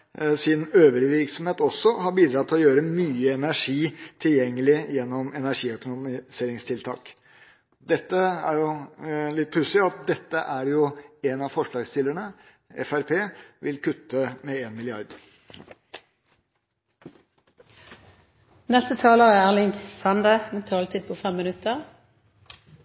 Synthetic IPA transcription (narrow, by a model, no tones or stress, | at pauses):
sɪnøːʋəɾʋɪɾksɔmheːt̪ɔsːɔhɑɾbiːd̪ɾɑt̪ʰːɪlɔjøːɾəmyːəɛnæʂiːt̪ʰɪljɛŋːəlɪjɛnːɔmɛnæʂiːœkʊnʊmɪseːɾɪŋst̪ʰɪlt̪ʰɑ̰ːk | d̪ɛt̪ːəæ̰ɾjʊlɪt̪̚pʰʉsɪɑt̪̚d̪ɛt̪ːəʔæɖjʊɛnɑfɔʂɭɑːɡst̪ɪlːəɳə | ɛ̰fæɾpʰeːʋɪlkʰʉt̪ːəmɛeːnmɪlɪɑɾd̪ | nɛst̪ət̪ʰɑːləʁəælɪŋsɑnd̪ət̪ʰɑːlt̪ʰiːd̪̚pʰɔfɛmːɪnʉt̪əʁ